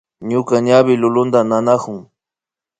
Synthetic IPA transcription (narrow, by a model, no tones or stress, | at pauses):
ɲʊkaɲabɪlʊlʊnd̪ananakʊŋ